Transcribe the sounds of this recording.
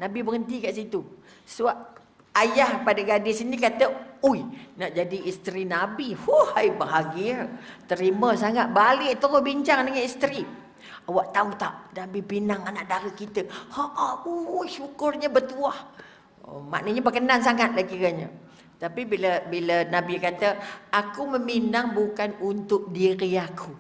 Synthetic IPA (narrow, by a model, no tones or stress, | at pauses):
nabibəŋənt̪ikaʔsit̪u | sua | ajahpadaɡadɪsinikat̪əuijnaʔd͡ʒadiist̪ɾinabihohajbaɦaɡit̪əɾiməsaŋat̪̚balɪʔt̪okɔhbiɲt͡ʃaŋdəŋanist̪ɾi | awaʔt̪aut̪a̰ʔnabibinaŋanaʔdaɾukit̪əhaʔauʃukʊrɲəbət̪uah | ma̰ʔnəɲabəkənansaŋat̪̚lakiɾəɲə | t̪apibiləbilənabikat̪əakuməminaŋbukanunt̪ʊk̚diɾiakʰu